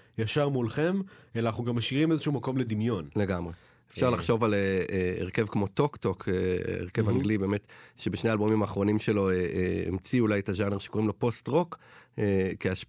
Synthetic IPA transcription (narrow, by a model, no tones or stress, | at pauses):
jaʃaʁmulχemelaaχnuɡamːaʃiʁimezeʃuuːmako̞mled̪imjo̞nle̞ɡamʁe | efʃaʁlaχʃo̞valeeḛʁke̞vkmo̞t̪o̞kt̪o̞kʰḛḛʁkevaŋɡlibe̞ːmetʃebeʃne̞albomimaːχʁo̞nimʃe̞lo̞eeḛmt͡siulajetaʒane̞ʁʃe̥ko̞ʁimlo̞po̞stʁo̞kekeaʃ